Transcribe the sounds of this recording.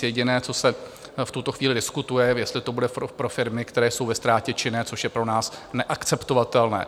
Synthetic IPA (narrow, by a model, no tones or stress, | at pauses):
jɛɟɪnɛːt͡so̞sɛft̪ut̪o̞xviːlɪdɪskut̪ujɛjɛst̪lɪt̪o̞budɛopɾo̞fɪɾmɪkt̪ɛɾɛːjso̞wvɛst̪ɾaːcɛt͡ʃɪnɛːt͡so̞ʃjɛpɾo̞naːsnɛʔakt͡sɛpt̪o̞vat̪ɛlnɛ̰ː